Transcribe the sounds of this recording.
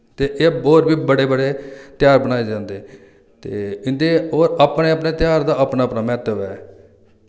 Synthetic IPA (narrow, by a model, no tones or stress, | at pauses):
t̪eːʔeːboːɾbiːbəɽeːbəɽeːt̪jaːɾbəñaːeːd͡ʒãːnd̪eː | t̪ḛːɪnd̪eːoːɾapneːəpneːt̪jaːɾd̪aːapnaːəpnaːmɛːt̪əʋɛː